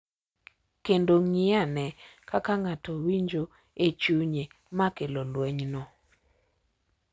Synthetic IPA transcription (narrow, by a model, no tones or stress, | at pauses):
kendoŋɪanɛkakaŋatowiɲd͡ʒo | et͡ʃuɲe | makelɔlwɛɲnɔ